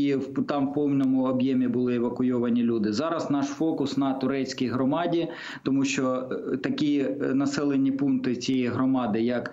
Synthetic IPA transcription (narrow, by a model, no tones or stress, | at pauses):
iwt̪ɑmwpɔwnʲɔmʊɔbjemʲibʊlˠɪɛʋɐkʊjɔʋɐnʲilʲud̪ɪzɑɾɐsnɑʃfɔkʊsnɐt̪ʊɾɛt͡sʲkʲijɦɾɔmɑdʲi | t̪ɔmuʃt͡ʃɔt̪ɐkʲinɐsɛlˠenʲːipunt̪ɪt͡sʲijɛjɦɾɔmɑd̪ɪjɐk